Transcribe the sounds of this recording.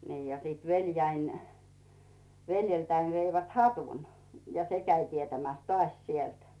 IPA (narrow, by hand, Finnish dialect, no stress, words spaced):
niː jɑ siːt ʋeljæin ʋeljeltæin ʋeiʋæt hɑtun jɑ se kæi tietæmæˑs tŏɑˑsʲ sielt